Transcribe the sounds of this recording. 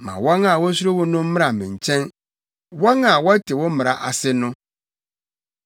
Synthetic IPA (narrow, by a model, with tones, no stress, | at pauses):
mã̰˨wɔ̃˦ŋa˨wɔ˦s̬u˦ɾo˦wʊ̃˦nʊ̃˦m̩˦mɪ̃˦ɾa˨mḭ̃˨ɲ˨t͡ɕʰɛ̃˦n | wɔ̃˦ŋa˨wɔ˦tʰɪ˨wɔ̃˦mɪ̃˨ɾa˨ʔa˨sɪ˦nʊ̃˦